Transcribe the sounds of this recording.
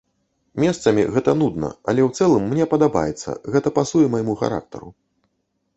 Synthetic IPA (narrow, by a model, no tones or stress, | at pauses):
mʲɛst̪sɐmʲiɣɛt̪ɐnud̪nɐ̰ɐ̰lʲɛwt̪sɛlˠɨmːnʲɛpɐd̪aba̰jɛt̪sːɐ̰ɣɛt̪ɐpasujɛmajmuxa̰ɾa̰k̚t̪ɐ̰ɾṵ